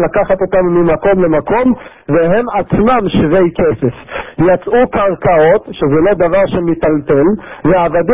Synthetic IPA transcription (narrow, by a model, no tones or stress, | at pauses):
lakaχat̪o̞t̪amːimako̞mle̞mako̞m | veɦe̞mat͡smamʃvejkesefjat͡sʔukaʁkao̞t̪ʃezɛlo̞d̪avaʁʃemit̪alt̪elveaːvad̪i